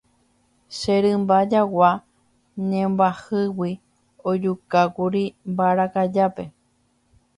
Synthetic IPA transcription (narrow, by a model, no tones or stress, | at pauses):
ʃeɾɨmbad͡ʒawa | ɲẽmbahɨwi | od͡ʒukakuɾimbaɾakad͡ʒape̞